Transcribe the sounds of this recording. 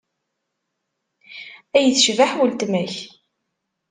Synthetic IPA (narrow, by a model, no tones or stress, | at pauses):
æjəθʃvaħwəlt̪mæç